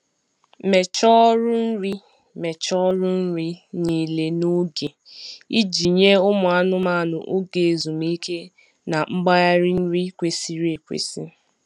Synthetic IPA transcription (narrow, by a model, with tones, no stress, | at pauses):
me˨t͡ʃɔ˦ɾʊ˦n̩˦ɾi˦ | me˨t͡ʃɔ˦ɾʊ˦n̩˦ɾi˦ni˨le˨no˦ɡe˨ | i˦d͡ʒi˨ɲe˦ʊ˦mʊ˨a˦nʊ˦ma˦˨nʊ̰˨ʔo˦ɡe˨e˨zu˨m˦i˦ke˦ | na˨ŋ͡m̩˦ɡ͡ba˦ja˦ɾi˦n̩˦ɾi˦kʷe˨si˦ɾe˨kʷḛ˨si˦